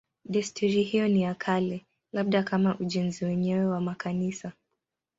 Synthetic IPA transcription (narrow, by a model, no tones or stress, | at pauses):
ɗɛstʰuɾihijɔnijakʰalɛ | laɓ̚ɗakamaʔuʄɛnziwɛɲɛwɛwamakʰanisa